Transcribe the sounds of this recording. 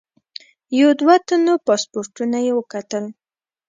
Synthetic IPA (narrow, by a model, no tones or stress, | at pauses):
jad̪wat̪anopɑspoɾʈunajewəkat̪əl